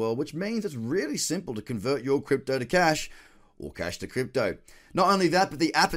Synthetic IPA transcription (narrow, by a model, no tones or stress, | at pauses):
ɜ˞lˠd̚wət͡ʃmĩnzɨtsɹɪlˠisɪ̃mpl̩ˠtɨkʰɨ̃ɱvɜ˞t͡ʃə˞kʰɹ̥ɪp̚toʊɾɨkʰæʃ | ʔə̰˞kʰæ̰ʃtʰɨkʰɹ̥ɪp̚toʊnəɾõʊ̃nliðət̚b̥ʌt̪̚ðiʔæpɨ